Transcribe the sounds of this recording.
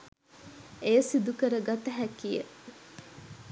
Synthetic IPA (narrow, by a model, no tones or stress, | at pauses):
ejɐsid̪ukəɾəɡat̪ɐɦækijḛ